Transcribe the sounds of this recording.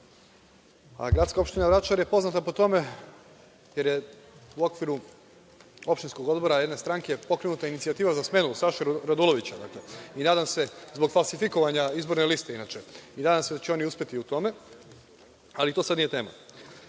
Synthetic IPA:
a̰ɡɾat̪skao̞pʃt̪inaʋɾat͡ʃaɾje̞po̞znat̪apo̞t̪o̞me̞ | je̞ɾjeuo̞kʋiɾu | o̞pʃt̪insko̞ɡo̞d̪bo̞ɾajed̪ne̞st̪ɾaŋkepo̞kɾenut̪ainit̪siat̪iːʋazasme̞nusaʃeɾad̪ulo̞ʋit͡ɕad̪akle̞inaːd̪amse̞zbo̞ɡfalˠsifiko̞ʋaɲaizbo̞ɾnelist̪e̞inat͡ʃe̞inaːd̪amse̞d̪at͡ɕeo̞niuspʲe̞t̪iut̪o̞me̞ | alit̪o̞ːsad̪nijet̪e̞ːma̰

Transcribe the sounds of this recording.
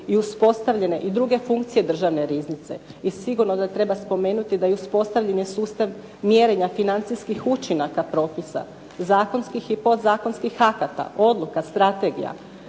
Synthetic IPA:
iuspo̞st̪aʋʎe̞ne̞ʔid̪ɾuɡe̞fuŋk̚t̪sije̞d̪r̩ʒaʋne̞ɾiznit̪se̞̰ | isiɡuɾnod̪at̪ɾe̞baspo̞me̞ːnut̪id̪ajeuspo̞st̪aʋʎaɲjesuːst̪aʋ | mjeɾe̞ɲafinant̪sijskixut͡ʃinakapɾo̞ːpisa̰ | zaːko̞nskixipo̞d̪zaːko̞nskixakat̪a̰ʔo̞d̪lˠukast̪ɾat̪e̞ɡḭja̰

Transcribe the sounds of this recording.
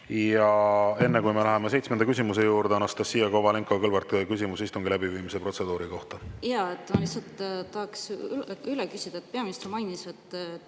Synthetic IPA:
jɑe̞nːe̞kujme̞læɦemes̬e̞jt̪smend̪ɑkys̬ʲimus̬e̞juːɾd̪eɑnɑst̪ɑsːiːjɑkovɑleŋkˑokɤlvɑrt̪kys̬ʲimusist̪uŋɡilæbiviːmisepro̞t̪se̞d̪uːɾiko̞ht̪ɑjɑːet̪ːmɑlihsːɑlt̪t̪ːɑhɑksylekysʲid̪̥ɑet̪̚ːpeɑmist̪romɑjniset̪ː

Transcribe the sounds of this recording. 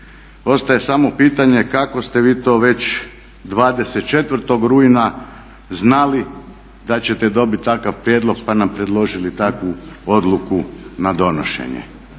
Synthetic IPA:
o̞st̪aje̞samo̞piːt̪aɲe̞kako̞st̪e̞ʋiːt̪o̞ːʋe̞t͡ɕ | d̪ʋaːd̪e̞set̪̚t͡ʃe̞t̪ʋr̩t̪o̞ɡɾuina | znali | d̪at͡ɕe̞t̪ed̪o̞bit̪̚ʲt̪akaʋpɾjed̪lˠo̞ɡ̚panampɾe̞d̪lˠo̞ʒilit̪akʋuo̞d̪lˠukunad̪o̞no̰ʃḛɲḛ

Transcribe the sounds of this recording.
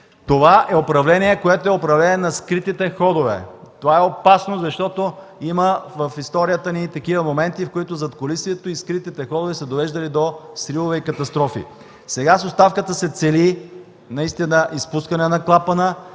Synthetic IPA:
t̪ovaʔɛopɾɐvlɛniɛkoɛt̪oɛopɾɐvlɛnɛnɐskɾit̪it̪ɛxɔd̪ovɛ̰t̪ovaɛopasnozɐʃt̪ɔt̪o | iməvɐfist̪ɔɾijət̪ənit̪ɐk̟ivəmomɛnt̪ifkoit̪ʊzɐt̪kolisviɛt̪oiskɾit̪it̪ɛxɔd̪ovɛsɛd̪ovɛʒd̪ɐlid̪osɾilˠovɛikɐt̪ɐst̪ɾɔfḭ | sɛɡasost̪afkət̪əsɛt̪sɛli | nɐist̪inəʔispuskənɛnɐklˠapənə

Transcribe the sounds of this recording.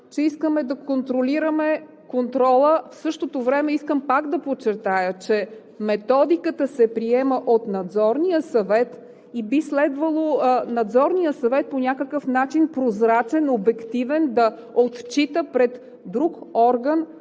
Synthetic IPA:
t͡ʃɛiskəmɛd̪ɐkont̪ɾoliɾəmɛ | kont̪ɾɔlˠəfsɤʃt̪ot̪ovɾɛmɛiskəmpakd̪ɐpot͡ʃɛɾt̪ajət͡ʃɛ | mɛt̪ɔd̪ikət̪əsɛpɾiɛməʔot̪nɐd̪zɔɾnijəsɐvɛt̪ | ibislɛd̪vəlˠonɐd̪zɔɾnijəsɐvɛt̪̚ponʲakəkəfnat͡ʃinpɾozɾat͡ʃɛnobɛkt̪ivɛnd̪ɐ | ot̪t͡ʃit̪əpɾɛt̪ | d̪ɾukɔɾɡən

